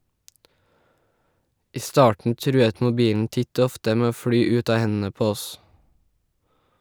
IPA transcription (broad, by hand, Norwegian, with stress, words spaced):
ˈiː ˈstɑːʈɳ̩ ˈtɾʉːət mʊˈbiːln̩ ˈtɪt ˈoː ˈɔftə ˈmeː ˈoː ˈfɽyː ˈʉt ˈɑː ˈhɛnn̩ə ˈpoː ˈɔs